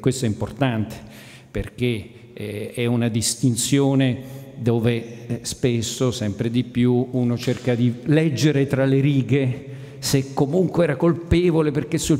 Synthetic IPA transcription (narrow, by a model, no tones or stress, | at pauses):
kwest̪oɛimport̪ant̪e̥ | perk̟e | ɛunad̪ist̪int̪sjoːned̪oːvespesːosɛmpɾed̪ipjuuːnot͡ʃerkad̪ilɛd͡ʒːeɾet̪ɾaleɾiːɡe | sekːomuŋkweɛːɾakolpɛːvoleperkesːu